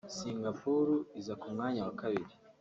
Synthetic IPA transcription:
siŋɡapuɾuizakumŋaːɲawakaβiɾi

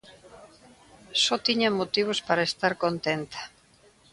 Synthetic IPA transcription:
sɔt̪iɲɐmot̪iβ̞ospaɾɐest̪aɾkont̪ent̪ḁ

